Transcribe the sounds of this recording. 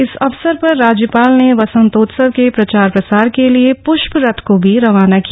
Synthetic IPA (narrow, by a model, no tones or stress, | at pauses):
ɪsɐʋsəɾpɐɾːaːd͡ʒjəpaːlneʋɐsə̃nt̪oːt̪səʋkepɾɐt͡ʃaːɾpɾɐsaːɾkeliepʊʃpɾɐt̪ʰkobʱiɾɐʋaːnakia